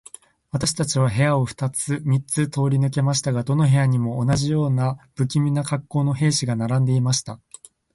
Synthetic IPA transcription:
βat̪aɕi̥t̪at͡ɕiβaɦe̞jao̞ɸɯ̟̥t̪at͡sɨmʲit͡sɨt̪o̞ːɾʲinɯ̟k̬e̞maɕ̬i̥t̪aɡad̪o̞no̞ɦe̞jaɲ̟imo̞ːnaʑijo̞ːnab̥ɯ̟kʲimʲinakakːo̞ːno̞ɦe̞ːɕiɡanaɾãnd̪e̞imaɕi̥t̪a

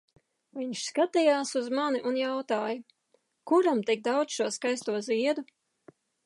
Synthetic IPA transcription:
viɲʃskat̪ijaːsuzmaniʔunjawt̪aːju | kuɾamt̪ik̚d̪awd̪ʃuɔskajst̪uɔziɛd̪u

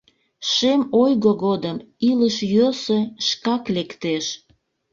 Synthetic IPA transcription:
ʃemojɣoɣod̪əmiləʃjøseʃkɑklekt̪eʃ

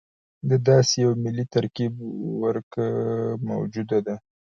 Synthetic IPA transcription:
d̪əd̪ɑsejawmɪlːit̪aɾkibwəɾkəma̰wd͡ʒud̪ad̪a

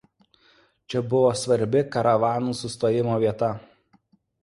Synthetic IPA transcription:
t͡ʃʲɛbʊʋoːsʋɐɾʲbʲɪkɐɾɐʋɑːnuːsʊst̪oːjɪmoːʋʲiɛt̪ɐ

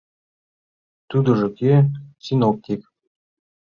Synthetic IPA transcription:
t̪ud̪ɤ̆ʐɤ̆kʲesinok̚t̪ʲikʲ

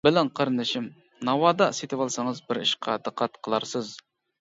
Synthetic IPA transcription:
bɪlɛnqʰəɾɨnɨʃim | nɑwɑd̪ɑset̪ʰɪwɑlˠsɑŋəzbɪɾiʃqʰɑd̪ɨqʰːɑt̪qʰəlˠɑɾsɨz

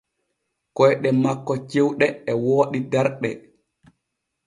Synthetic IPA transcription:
kɔjɗɛmakːɔt͡ʃewɗɛɛwoːɗidɛɾɗɛ

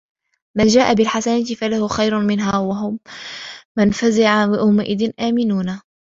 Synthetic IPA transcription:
mand͡ʒaːʔabɪlħasanat̪ɪfalahʊxajɾʊmɪnɦaːwaɦʊmː | anfazɪʕaahʊmaʔɪðɪnʔaːmɪnuːna

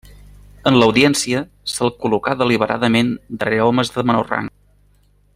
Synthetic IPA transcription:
ənləwðiɛnsiə | səlˠkulukaðəliβ̞əɾʔa̰ðəmend̪əreɔməzðəmənora̰ŋ

